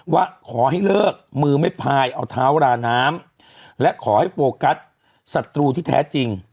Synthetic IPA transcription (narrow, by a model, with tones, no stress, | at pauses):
waː˥˩kʰɔː˩˦ha˥˩jlɤː˥˩k̚mɯː˧ma˥˩jpʰaː˧jʔa˧wt̪ʰaː˦˥wɾaː˧naː˦˥m | lɛ˦˥ʔkʰɔː˩˦ha˥˩jfoː˧ka˦˥t̪̚ | sa˨˩t̪ːɾuː˧t̪ʰiː˥˩t̪ʰɛ̰ː˦˥t͡ɕi˧ŋ